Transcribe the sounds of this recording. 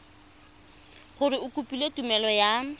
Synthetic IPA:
χʊrɪʊkʼupʼiletumɛlɔja

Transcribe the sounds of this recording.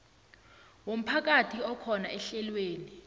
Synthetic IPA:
wom̩pʰak̬atʰiɔkʰɔnaʔɛɬɛlweːni

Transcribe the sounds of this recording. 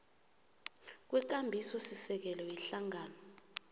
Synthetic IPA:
k̬wɛk̬ambʱisɔsisɛk̬ɛlɔjɛɬaŋaːnɔ

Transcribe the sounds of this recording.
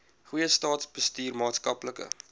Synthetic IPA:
χujəstɑːtsbəstyːrmɑːtskɐpləkə̰

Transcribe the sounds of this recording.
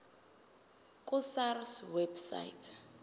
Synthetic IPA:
kʼʊsarswebsa̰itʰ

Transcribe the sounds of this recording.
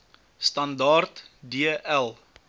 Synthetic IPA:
stɐndɑːrt | diəʔælˠ

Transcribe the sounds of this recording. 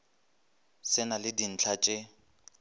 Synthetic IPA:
sɪnalɪdin̩t͡ɬʰat͡ʃʼɪ

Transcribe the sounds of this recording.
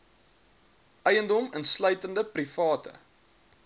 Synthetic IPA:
ʔœjəndɔmənslœɥtəndəprifɑːtə̰

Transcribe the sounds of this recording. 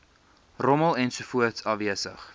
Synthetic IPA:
rɔməlˠɛnsufuətsɑviəsə̰χ

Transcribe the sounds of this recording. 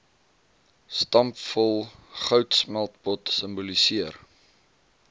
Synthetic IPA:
stɐmpfɔlˠχœwtsmælˠtbɔtsəmbulisiər

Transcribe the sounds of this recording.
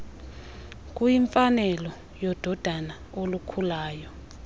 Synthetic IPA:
k̬ʼujiɱfanɛlɔ | jɔd̥ʱɔd̥ʱana | olukʰulaːjɔ

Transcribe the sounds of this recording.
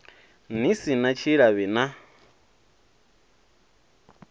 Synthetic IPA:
nisinat͡ʃʰiɺaβina

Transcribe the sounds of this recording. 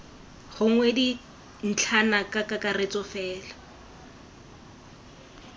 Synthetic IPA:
χʊŋ̩wedi | n̩t͡ɬʰanakʼakakʼaret͡sɔfɛːla

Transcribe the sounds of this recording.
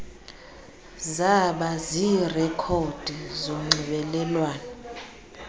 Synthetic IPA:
zaɓaziːrɛkʰod̥ʱizoŋ͡ǀiɓɛlɛlwaːnɛ

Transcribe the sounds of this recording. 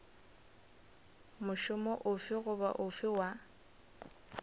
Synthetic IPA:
mʊʃʊmɔʔʊfɪɣʊba̰ʔʊfɪwa

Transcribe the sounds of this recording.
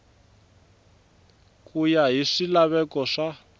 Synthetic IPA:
kujaɦiʂilaβɛkɔʂa

